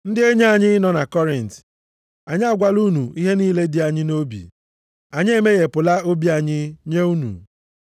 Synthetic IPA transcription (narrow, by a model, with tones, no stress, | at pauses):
n̩˦dɪ˦e˦ɲe˦a˨ɲɪ˦nɔ˨na˨kɔ˦ɾɪ˨n̩˨t | a˨ɲɪ˦a˦ɡʷa˦lu˦nu˨i˦ɦe˦niː˦le˦di˨˦a˨ɲɪ˦no˦bḭ˨ | a˨ɲɪ˦e˦me˦ɣe˨pʊ˨la˦o˦bi˦a˨ɲɪ˦ɲe˦u˦nṵ˨